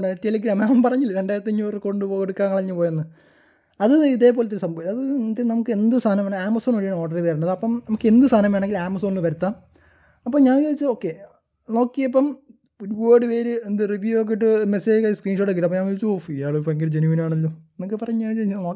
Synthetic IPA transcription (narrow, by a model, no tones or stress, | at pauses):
ɳetːelik̬ːiɾamampɐrɐɲːilːɐɾeɳɖaːjiɾɐt̪ːiɲːuːrko̞ɳɖɨpo̞ːkeɽukːaːŋkːɐɭɐɲːɨpoːjenːɨ | ɐðɨiðe̞ːpoːlɐt̪ːɐɾɨsɐmbʱɐʋiɐðɨt̪ːinɐmukːɨend̪ɨst̪ʰaːnɐmaːnaːmːɐsoːnoːɽijaːɳoːʈːɐritɐɾiɳːɐðɨɐpːɐmnɐmukːɨe̞nd̪ɨst̪ʰaːnɐmaːɳeŋɡilaːmɐsonːɨʋɐɾut̪ːa | ɐpːomɲaːnkeit͡ɕːɨo̞ːkːe | no̞ːkːijɐpːɐm | uɾuwoːɽɨʋeːɾɨend̪ɨriʋjujoːk̬ːeʈ̬ːɨmeseːkaskriːnʂoʈːek̬ːiʈːɐpːoɲaːnkoɻit͡ɕːuofijaːɭopoŋɡɐɾd͡ʑenuʋinaːɳɐlːoːenkːɨpɐrɐɲːuaːt͡ɕːno